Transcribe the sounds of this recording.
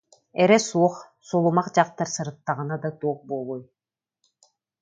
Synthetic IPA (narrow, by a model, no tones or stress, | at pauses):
ɛɾɛsuɔχ | sulˠumaqd͡ʑɑq̚t̪aɾsɯɾɯt̪ːaʁɯnad̪at̪uɔχbulˠuj